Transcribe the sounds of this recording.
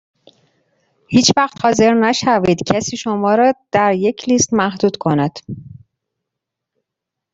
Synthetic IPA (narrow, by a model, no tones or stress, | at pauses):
hiːt͡ʃvæxt̪hɒːze̞ɾnæʃævid̪̥cʰæsiːʃomɒːɾɒːd̪̥æɾje̞cʰliːst̪mæhd̪uːd̪̥kʰo̞næd̪̥